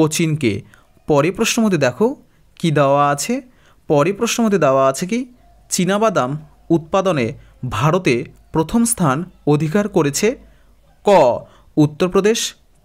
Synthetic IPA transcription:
ot͡ɕinkḛ | pɔɾepɾoʃnomod̪ʱid̪ɛkʰo | kid̪eoaat͡ɕʰe | pɔɾepɾoʃnomod̪ʱid̪eoaat͡ɕʰek̬i | t͡ɕinabad̪am | ut̪̚pad̪one | bʱaɾot̪epɾot̪ʰomst̪ʰanod̪ʱikaɾkoɾet͡ɕʰe | kɔ | ut̪ːoɾpɾod̪eʃ

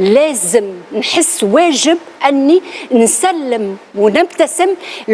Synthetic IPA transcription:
læːzɪmnħəsːwæːʒɪb̚ | ʔanːinsælːɪmwnɪbt̪asɪml

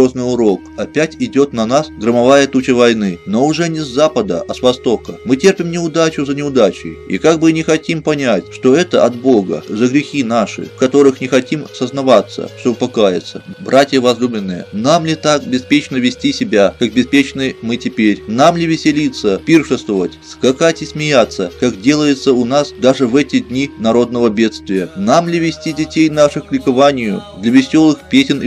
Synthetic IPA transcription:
oznɨjʊɾo̞k̚ɐpʲætʲɪdʲo̞t̪nɐnasɡɾəmɐvajət̪ut͡ɕəvɐjnɨno̞ʊʐɛnʲɪzːapəd̪ə̰ʔɐsvɐst̪o̞kəmɨtʲerpʲɪmnʲɪʊd̪at͡ɕʊzənʲɪʊd̪at͡ɕɪ̰ḭkaɡ̚bɨnʲɪxɐtʲimpɐnʲætʲʂt̪o̞ɛt̪əʔɐt̪̚bo̞ɡə̰zəɡɾʲɪxʲinaʂɨ̰fkɐt̪o̞ɾɨxnʲɪxɐtʲimsəznɐvat̪sːə̰ʂt̪obpɐkajɪ̰t̪sːəbɾʔatʲɪjəvɐzlʲubʲɪnːɨjə̰namlʲɪt̪ak̚bʲɪspʲet͡ɕnəvʲɪsʲtʲisʲɪbʲakak̚bʲɪspʲet͡ɕnɨjmɨtʲɪpʲeɾʲnamlʲɪvʲɪsʲɪlʲit̪sːəpʲirʂɨst̪vəvətʲskɐkatʲɪsʲmʲɪjat̪sːəkakdʲe̞lˠəjɪt̪səʊnasd̪aʐɨvɛtʲɪdʲnʲinɐɾo̞d̪̚nəvəbʲe̞t̪st̪vʲɪjənamlʲɪvʲɪsʲtʲidʲɪtʲejnaʂɨxklʲɪkɐvanʲɪjʊd̪lʲɐvʲɪsʲo̞lˠɨxpʲesʲɪn

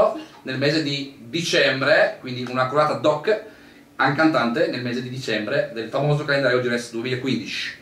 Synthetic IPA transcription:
onelmeːzed̪id̪it͡ʃɛmbɾekwind̪iunakɾovaːt̪ad̪ɔkː | aŋkant̪ant̪enelmeːzed̪id̪it͡ʃɛmbɾed̪elfamoːzokalend̪aɾjod̪iɾɛsd̪uemiːlaekːwind̪it͡ʃi̥

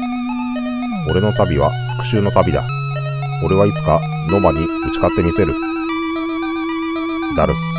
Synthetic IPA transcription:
o̞ɾe̞no̞t̪abʲiβa̰̥ | kɯ̟ɕɨːno̞t̪abʲid̪a̰ | o̞ɾe̞βait͡sɨ̥ka | no̞maɲ̟i | ɯ̟t͡ɕi̥kat̪ːe̞mʲise̞ɾɯ̟ | d̪aɾɯ̟sɨ̥

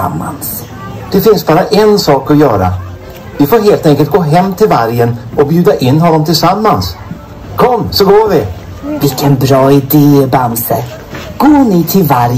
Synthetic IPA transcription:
amːa̰ns | d̪̥ɛfɪnsbɑːɾaʔɛnsɑːkɔjœːɾa̰ | vɪfoːɾɦeːlt̪ɛŋkəlt̪̚ɡoːɦɛmːt̪ʰɪlvaɾjənɔbjʉ̟ːd̪aʔɪnːɦɔnːɔmt̪ʰɪlsamːans | kʰɔmːsɔɡoːvɪ | vɪkʰənbɾɔːɪd̪eːbamsɛ | ɡ̥oːnɪt̪ʰɪlvaɾ

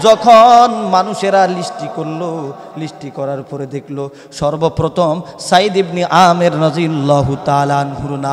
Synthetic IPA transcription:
d͡ʒɔkʰɔnmanuʃeɾalisʈikoɾlo | lisʈikɔɾaɾupɔɾed̪ekʰlo | ʃɔɾbopɾɔt̪ʰɔmsaid̪ibniʔameɾɾɔzialːɔɦut̪aːlaanɦuɾuna

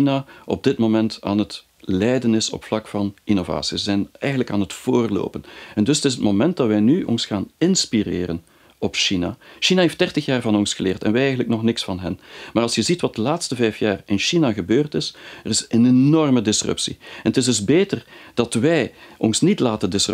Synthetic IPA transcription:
inaʔɔ̰b̚dɪtmomɛnta̰ːnɦət | lɛjdənɪsɔ̰pflɑkfɑnʔinova̰ːsizəzɛnɛjɣənləkaːnɦətfoːrlo̰ːpənɛndɵsətɪs̬ɦətmomɛnt̚dɑtʋɛjnyʔɔ̰nsxaːnɪnspirḛːɾə̰n | ɔpʃina̰ʃinaɦeft̚d̥ɛrtəxjaːrvɑnɔnsxəlɪːrtɛ̰nʋɛɛjɣənləknɔxnɪksfɑnɦɛnmaːrɑlˠsjəzitʋɑt̚dəlaːtstəvɛjfjaːrɪnʃinaɣəbøːrtɪsərɪsenennɔrmədɪsrɵ̰psḭɛnətɪzdɵzbeːtərd̥ɑtʋɛjʔɔnsnitlaːtəndɪs

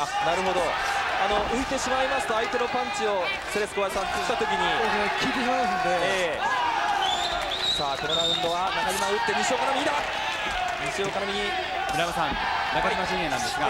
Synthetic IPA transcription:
anaɾɯ̟ɦo̞d̪o̞ano̞ʔɯ̟it̪e̞ɕimaimaɕi̥t̪oait̪e̞no̞pãɲ̟t͡ɕio | seɾesɨ̥koaasãnt͡s̪o̥t̪at̪o̞kʲiɲ̟ikʲʰiɾiãd̪ee | saːkonoɾaɯ̟̃nd̪o̞βanakaɲimãɯit̪ːe̞ɲiɕioːkanomʲiɲid̪a | ɲiɕio̞ːkanamiɲi | bɯɾamasãŋ | nakaɲimaɕĩẽnːã̰nd̪esɨɡa

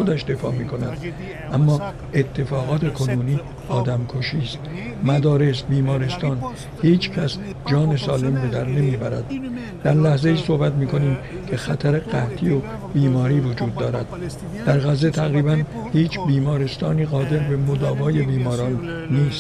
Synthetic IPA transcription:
od̪æʃd̪e̞fɒ̰ːmiːkʰo̞næd̪̥ | ʔæmːɒː | e̞t̪ʰːe̞fɒːɣɒːt̪ʰe̞kʰo̞nuːniː | ɒːd̪æmkʰoʃiːst̪mæd̪ɒːɾe̞sbiːmɒːɾe̞st̪ɒːn | hiːt͡ʃʰcʰæs | d͡ʒɒːne̞sɒːle̞mbe̞d̪æɾne̞miːbæɾæ̰d̪̥ | d̪̥æɾlæhze̞iːso̞hbæt̪miːkʰo̞niːmkʰe̞xæt̪ʰæɾe̞ɣæht̪ʰio | biːmɒːɾiːvo̞d͡ʒuːd̪̚ːɒːɾæd̪̚ | d̪̥æɾɣæze̞t̪ʰæɣɾiːbæn | hiːt͡ʃʰbiːmɒːɾe̞st̪ɒːniːɣɒːd̪e̞ɾbe̞mod̪ɒːvɒːje̞biːmɒːɾɒːnː | iːst̪

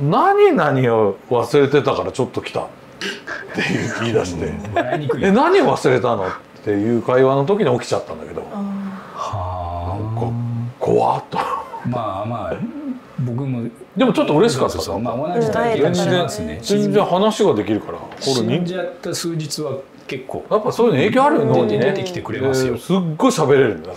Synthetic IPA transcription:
naɲ̟inaɲ̟iaβasɨɾe̞t̪e̞t̪akaɾat͡ɕo̞t̪ːo̞kʲi̥t̪a̰ | t̪ːe̞jɯːiid̪a̰ɕi̥t̪e̞̰ɲid̪enaɲ̟ioβasɨɾe̞t̪ano̞t̪ː | e̞jɯ̟ːkaiβano̞t̪̬o̞kʲiɲ̟io̞kʲi̥t͡ɕat̪ːãnd̪a̰ke̞d̪o̞̰ | aokakʰo̰βa̰t̪ːo̥mama | bokɯ̟mo | d̪e̞mo̞t͡ɕo̞t̪ːoɯ̟ɾe̞ɕi̥kat̪ːamaonaz̃nzẽsnezẽ̞nzẽ̞ɰ̃hanaɕiɡad̪e̞kʲiɾɯ̟kaɾa̰koɾeɲĩd͡ʑiat̪ːasɨːd͡ʑit͡sɨβa | ke̞kːo̰ːjapːasoːjinoeːkʲoaɾɯnoneekʲi̥t̪ekɯɾeeassɨɡːo̞iɕabe̞ɾe̞ɾɯ̟̃nd̪a

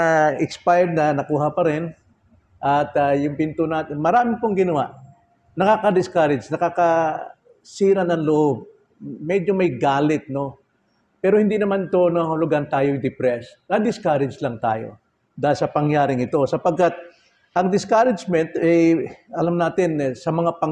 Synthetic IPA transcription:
ɛkspajd̪̚nɐnɐkuːɦɐpɐɾɪn | ʔɐt̪ɐjʊŋpɪnt̪ʊnaːt̪ɪnmɐɾaːmɪpoŋɡɪnɐwa̰ʔ | nɐkaːkɐd̪ɪskaɾɪd͡ʒnɐkakɐ | siːɾɐnɐŋlʊʔob̚ | mɛd͡ʒomɐjɡaːlɪt̪̚no̞ | pɛːɾohɪnd̪inɐmanɪt̪onɐhʊlʊɡant̪aːjojd̪ɪpɾɛsnɐd̪ɪskaɾɪd͡ʒlɐŋt̪a̰ːjo̞̰ | d̪aːɪlsɐpɐŋjaːɾɪŋɪt̪o̞sɐpɐɡ̚kat̪̚ | ʔɐŋd̪ɪskaɾɪd͡ʒmɛnt̪ɛjʔɐlamnaːt̪ɪnsɐmɐŋapɐŋ

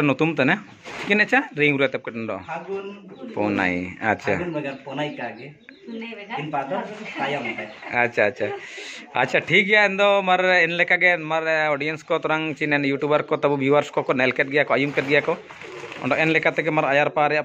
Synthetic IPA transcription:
nɔt̪umt̪ɛnɛ | t͡ʃʰikinɛt͡ʃaɾiŋuɾujat̪ɛp̚kɛʈ̚nɖɔ̰ʔaɡunpɔ̰na̰ja̰ʃʰa̰nɐɡaɾpʰɔnajkaɡɛ | inpad̪ɔajant̪ɛatːʃʰaːʃʰaa̰tːt͡ʃʰaʈʰik̚ɡɛjaɛnd̪ɔmaɾɛnlɛkaɡɛmaɾɔɖijɛnskɔt̪ɔɾaŋt͡ʃinɛnjuʈubaɾkɔt̪abubiwaɾskɔkɔnɛlkɛt̚ɡɛjakɔajumkɛʈ̚ɡɛjakɔ | ɔ̰ɳɖɔʔɛnlɛkat̪ɛɡɛmaɾajaɾpaɾɛjaʔ

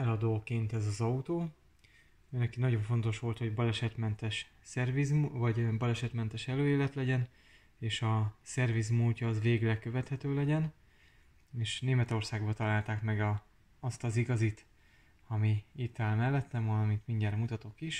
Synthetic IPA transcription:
ɛlɒd̪oːkeːnt̪ɛzɒzɒut̪oː | øːnɛkinɒɟo̞ɱfo̞nt̪o̞ʃʋo̞lt̪ho̞ɟbɒlɛʃɛt̪mɛnt̪ɛʃ | sɛrvizvɒɟbɒlɛʃɛt̪mɛnt̪ɛʃɛløːeːvɛt̪lɛɟɛn | eːʃɒsɛrvizmulcɒːzveːɡlɛkøvɛt̪hɛt̪øːlɛɟɛn | eːʃneːmɛt̪o̞rsaːɡbɒt̪ɒlaːlt̪aːkmɛɡɒː | st̪ɒziɡɒzit̪ | ɒmiit̪ːaːlmɛlːɛt̪nɛmɒlɒmit̪miɲɟaːɾmut̪ɒt̪o̞kiʃ

